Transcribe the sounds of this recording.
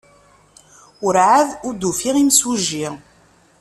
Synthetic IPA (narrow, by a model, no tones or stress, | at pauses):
ʊɾʕaðʊɾd̪ufiʁimsuʒːi